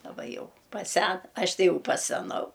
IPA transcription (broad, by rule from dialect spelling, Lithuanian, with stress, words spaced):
dɐˈbɐ jɛʊ pɐˈsʲɛn ˈɐʃ ˈtɐɪ ˈjɛʊ pɐsʲɛˈnɐʊ